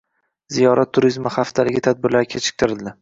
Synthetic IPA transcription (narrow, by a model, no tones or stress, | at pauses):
zijɒɾat̪ʰːʊɾizmaχaft̪ʰalɪɡʲɪt̪ʰad̪̚bɪɾlaɾkʲʰet͡ʃʰɪ̥kʲt̪ʰɪɾɪld̪ɪ